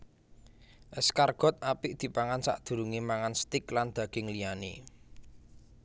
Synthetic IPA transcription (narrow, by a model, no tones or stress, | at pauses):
ʔəskarɡ̥ɔ̤t̪̚apɪʔd̪̥i̤paŋansa̰ʔd̪̥ṳɾuŋemaŋanst̪ɪkland̪̥ä̤ɡ̥ɪŋlijane